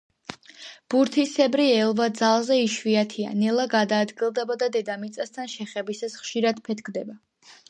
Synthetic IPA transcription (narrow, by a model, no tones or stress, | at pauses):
b̥uɾt̪ʰisɛbɾiɛlˠvad̪zalˠzɛiʃviat̪ʰia̰nɛlˠaɡad̪aːd̪ɡilˠd̪ɛbad̪ad̪ɛd̪amit̪sʼast̪ʰanʃɛχɛbisasχʃiɾad̪̥pʰɛt̪ʰkʰd̪ɛba